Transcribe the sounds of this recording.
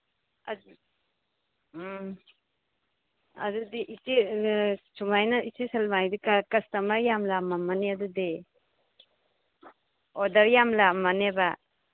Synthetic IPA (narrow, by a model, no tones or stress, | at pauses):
a̰d | ɐ̰dudiʔiti | sumajnaisisalmajdikakɐstamaɾjamlamamaneadudi | ɔdaɾjamlamaneba